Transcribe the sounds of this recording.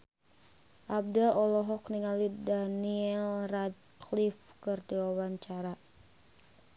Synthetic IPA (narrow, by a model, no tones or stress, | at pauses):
ʔab̚dalɔlɔɦɔkniŋalidaniɛlrad̚ | klifkɨrdiwawaɲt͡ʃaɾa